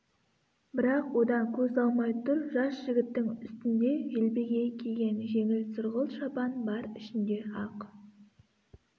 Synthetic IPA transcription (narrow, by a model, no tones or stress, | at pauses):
bɪɾɑqwo̞d̪ɑŋkʲʰɵzɑlˠmɑjt̪ʰʊɾʒɑsʒ̥ɪɡʲɪt̪ːɪŋʏst̪ɪnd̪e̞ʒelbe̞ɡʲe̞kʲʰeɡʲe̞nʒe̞ŋɪlsʊɾʁəlˠʃɑpɑnbɑɾɪʃɪnd̪e̞ɑq